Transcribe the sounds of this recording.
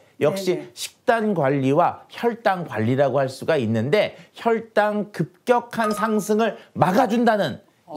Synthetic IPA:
jʌk̚ɕ͈iɕʰi̥k̚t͈anɡwaʎːiwaçjʌɭt͈aŋɡwaʎːiɾaɡohaɭs͈uɡainːɯnde̞çjʌɭt͈aŋkɯp̚k͈jʌkʰansʰaŋsʰɯŋɯɭmaɡad͡ʑundanɯn

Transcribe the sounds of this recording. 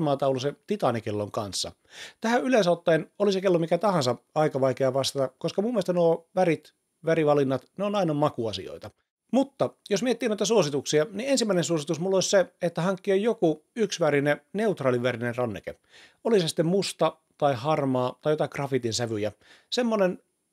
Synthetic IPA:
mɑːt̪ɑuluset̪it̪ɑnikelːoŋkɑnsːɑ̰ | t̪æhæylesɑˑot̪ːɑinolisekelːomikæt̪ɑhɑnsɑɑikɑʋɑikeɑʋɑst̪ɑt̪ɑkoskɑmumːiest̪ænoʋæɾit̪ | ʋæɾiʋɑlinːɑt̪neonɑinɑmɑkuɑsḭo̰it̪ɑ | mut̪ːɑjosmiet̪ːiːnoit̪æsuosit̪uksiɑniensimːæinensuosit̪usmulːosʲseet̪ːæhɑŋkːiojokuyksʋæɾinene̞ut̪rɑːliʋærinenrɑnːḛkḛ | olisesi̥t̪ːemmust̪ɑ | t̪ɑihɑrmɑːt̪ɑijot̪ɑkrɑfit̪insæʋyjæ | semːonen

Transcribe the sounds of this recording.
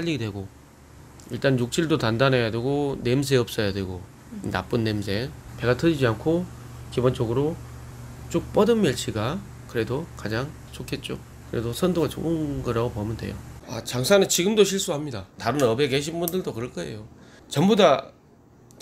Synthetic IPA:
p͈aʎːiɡidwe̞ɡo | iɭt͈anjuk̚t͡ɕ͈iɭdotandanejadwe̞ɡone̞ms̬ʰe̞ʌp̚s͈ʌjadwe̞ɡo | na̰p͈ɯnːe̞msʰe̞pe̞ɡat͈ɯd͡ʑid͡ʑiankʰo | kibʌnt͡ɕ͈ʌɡɯɾo | t͡ɕ͈ok̚p͈ʌdɯnmjʌɭt͡ɕʰiɡa | kɯɾe̞dokad͡ʑaŋ | sʰokʰe̞t̚t͡ɕ͈o | kɯɾe̞dosʰʌndoɡat͡ɕo̰ɯnɡʌɾaɡopomjʌndwe̞̰jo̰a̰t͡ɕaŋsʰanɯnt͡ɕiɡɯmdoɕʰiɭs͈uɦamɲidataɾɯnʌbekeɕ̬ʰinbundɯɭdokɯɾʌɭk͈ʌe̞̰jot͡ɕʌmboda

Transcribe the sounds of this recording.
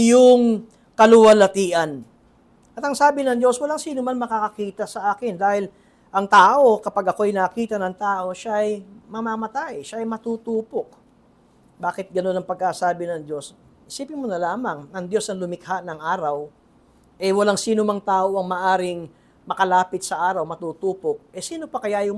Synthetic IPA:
jʊŋ | kɐlʊwɐlɐt̪iːʔɐn | ʔɐt̪ɐŋsaːbɪnɐŋd̪o̞swɐlaŋsiːnʊmanmɐkakɐkiːt̪ɐsɐʔaːkɪnd̪aːhɪl | ʔɐŋt̪aːʔo̞kɐpaɡʔɐko̞ʔɐjnɐkiːt̪ɐnɐŋt̪aːʔo̞ʃaʔɐjmɐmaːmɐt̪ajʃaʔɐjmɐt̪ut̪uːpo̞k̚ | baːkɪt̪̚ɡɐno̞nɐŋpɐɡ̚kasaːbɪnɐŋd̪o̞s | hɪsiːpɪnmonɐlaːmɐŋɐŋd̪jo̞sɐŋlʊmɪkhaʔnɐŋʔaːɾɐw | ʔɛwɐlaŋsiːnomɐŋt̪aːʔo̞ʔɐŋmɐʔaːɾɪŋ | mɐkɐlaːpɪt̪̚sɐʔaːɾɐwmɐt̪uːt̪uːpok̚ʔɛsiːno̞pɐkɐjajʊŋ

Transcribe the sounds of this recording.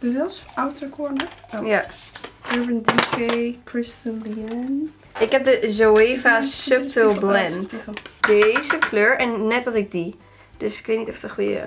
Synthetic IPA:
b̥əʋɪlˠsawtəɹkʰɔɹnəja | ɛbəndikekʰɹɪstəliɛn | ʔɪkɦɛp̚dəzoeːvasøp̚təlˠblɛntdejzəkʰløːɹɛnːɛt̚dɔtɪɡ̚di | d̥øsɪ̥kʋeːtnitɔftəχujə̰

